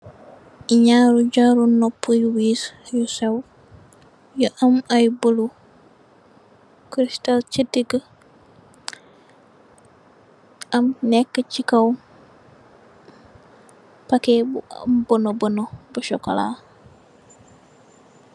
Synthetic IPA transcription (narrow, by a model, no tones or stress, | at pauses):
iɲaɾuɟaɾunopːujuwiːsjusaw | juʔɐmajbəlu | kɾistalt͡ʃitiɡə | ɐmnɛkːət͡ʃikɐw | pakeb̰mbonobɐnobuʃɔkola̰